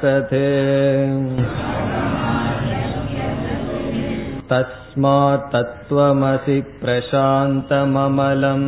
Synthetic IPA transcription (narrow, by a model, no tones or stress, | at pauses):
ɐt̪ʰeː | t̪ɐs | maːt̪ɐt̪ʋɐmɐsipɾɐʃaːnt̪ɐmɐmɐlɐm